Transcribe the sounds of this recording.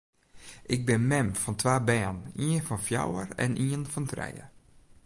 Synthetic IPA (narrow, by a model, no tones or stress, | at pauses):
ʔɪɡ̚bɪnmɛmfɔntʋaːbɛːəniənfɔnfja̰wərɛ̰nʔiənfɔntrɛ̰jə̰